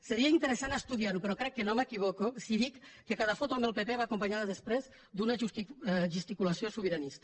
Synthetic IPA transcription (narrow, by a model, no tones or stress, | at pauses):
seɾiaint̪əɾesanast̪uðiaɾupeɾɔkɾɛkːenomekiβokosiðikːekaðafot̪uambelˠpepeβaːkumpaɲaðəðespɾez | d̪unaʒust̪iʒust̪ikulasjosuβiɾanist̪ə